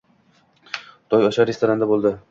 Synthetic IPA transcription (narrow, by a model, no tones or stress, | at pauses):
t̪ʰɒjɒʃaɾest̪oɾand̪abolˠd̪ɪ